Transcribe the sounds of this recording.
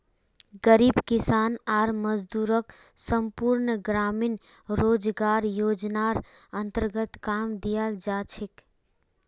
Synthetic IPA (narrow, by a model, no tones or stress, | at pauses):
ɡəɾibkisanaɾməd͡ʒd̪uɾək | səmpuɾnɡɾamin | ɾod͡ʒɡaɾjod͡ʒnaɾ | ənt̪əɾɡət̪kamd̪ijəld͡ʒat͡ʃʰik